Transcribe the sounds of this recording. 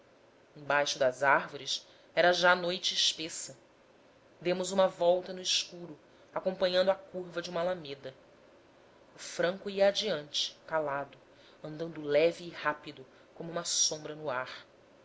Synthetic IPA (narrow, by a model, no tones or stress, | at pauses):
ẽj̃bajʃʊd̪ɐzahvoɾis | ɛɾɐʒaːnojt͡ʃɪːʃpesɐ | d̪ẽmʊzũmɐvɔwt̪ɐnʊɪʃkuɾʊ | akõpɐ̃ɲɐ̃nd̪ʊakuɾvɐd͡ʒɪũmɐlamed̪ɐ | ʊfɾɐ̃ŋkuiɐːd͡ʒiɐ̃nt͡ʃɪ̥kalad̪ʊ | ɐ̃nd̪ɐ̃nd̪ʊlɛviːhapid̪ʊ | kõmuũmɐsõmbɾɐnʊaɾ